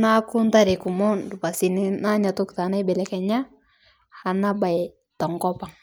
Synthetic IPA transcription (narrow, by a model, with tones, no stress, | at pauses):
na˦kʊ˦nta˦ɾe˨ku˨mɔ˦ndu˨pa˨si˨ni˦na˦ɲa˨tʊ˦kta˨˦na˦jbɛ˨lɛ˦kɛ˨ɲa˦ | ha˨na˦ba˨j | tɔ˨ŋɡɔ˦pa˨ŋ